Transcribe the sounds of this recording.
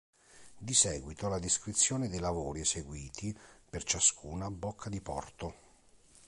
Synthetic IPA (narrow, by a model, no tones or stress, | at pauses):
d̪isɛːɡwit̪olad̪iskɾit̪sːjoːned̪ejlavoːɾiɛseɡwiːt̪ʰipert͡ʃaskʰuːnabokʰːad̪ipɔ̰rt̪o